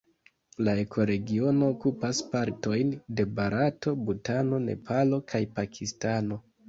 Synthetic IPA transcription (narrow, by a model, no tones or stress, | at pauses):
lae̞kʰo̞ɾe̞ɡio̞no̞ːkupaspaɾto̞jnde̞baɾato̞butano̞ne̞̰pʰalo̞kʰajpakʰistano̞